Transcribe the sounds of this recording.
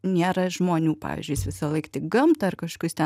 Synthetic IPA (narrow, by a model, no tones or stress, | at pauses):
nʲeːɾɐʒmoːnʲuːpɑ̰ːʋʲḭːzʲd͡ʒʲʊjsʋʲɪsɐlˠɐɪkt̪ʲɪkɡɐmt̪ɐɐrkɐʃkʊst̪ʲɛ